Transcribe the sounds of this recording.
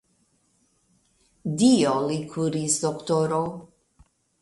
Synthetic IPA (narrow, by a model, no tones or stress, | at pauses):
d̪iolikʰuɾisd̪okt̪oɾow